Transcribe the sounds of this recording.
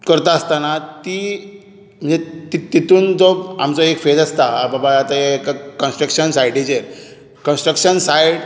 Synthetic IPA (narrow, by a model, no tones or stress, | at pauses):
kəɾt̪aəst̪anat̪i | m̤ənd͡zet̪it̪ːit̪uːnd͡zɔba̰mt͡sɔekfed͡zast̪ababaat̪akakənsʈɾəkʂənsajɽit͡ɕeɾ | kənsʈɾəkɕənsajɽ